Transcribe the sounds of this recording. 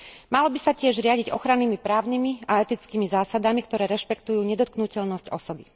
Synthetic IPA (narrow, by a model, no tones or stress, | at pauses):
malɔbisacɪɛʒɾɪaɟiɟɔxɾanːimipɾaːʊnimiaɛt̪it͡skiːmizaːsad̪amikt̪ɔɾɛːɾɛʃpɛkt̪ujuːɲɛd̪ɔt̪̚knucɛʎnɔscɔsɔbi